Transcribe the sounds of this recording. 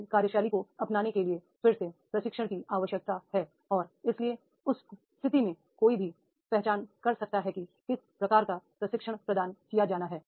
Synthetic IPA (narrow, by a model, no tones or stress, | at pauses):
kaːɾjəʃaːlikoɐpnaːnekelie | fɪɾsepɾɐʃɪkʃəɽ̃kiʔaːʋəʃjək̚t̪aɦɛː | ɔːɾɪslie | ʊs | st̪ʰɪt̪imẽ | koːibʱi | pɛɦt͡ʃaːnkɐɾsɐk̚t̪aɦɛkikɪspɾɐkaːɾkapɾɐʃɪkʃəɽ̃pɾɐd̪aːnkijad͡ʒaːnaɦɛː